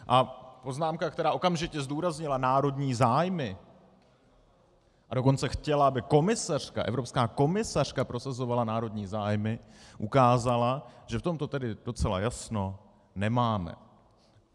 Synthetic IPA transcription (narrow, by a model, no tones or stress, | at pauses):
ʔapo̞znaːmkakt̪ɛɾaːʔo̞kamʒɪcɛzduːɾazɲɪlanaːɾo̞dɲiːzaːjmɪ | ʔado̞ko̞nt͡sɛxcɛlaabɪko̞mɪsar̝̥ka̰ʔɛ̰vɾopskaːko̞mɪsar̝̥kapɾo̞sazo̞valanaːɾo̞dɲiːzaːjmɪʔukaːzalaʒ̥ɛft̪o̞mt̪o̞t̪ɛdɪd̥o̞t͡sɛla̰jasno̞ | nɛmaːmɛ̰